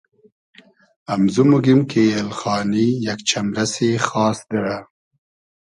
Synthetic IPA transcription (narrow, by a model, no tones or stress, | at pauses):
amzumuɡimkeelxɑːnijakt͡ʃamɾasexɑːsd̪əɽa